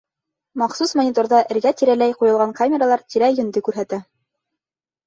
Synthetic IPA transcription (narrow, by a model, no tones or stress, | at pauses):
mɑqsusmɐnʲit̪oɾðɑʔɘ̆ɾɡæt̪iɾælæjqujɤ̆lˠʁɑŋkamʲeɾalˠɑɾt̪iɾæjɵ̆nd̪ɘkʉɾɦæt̪æ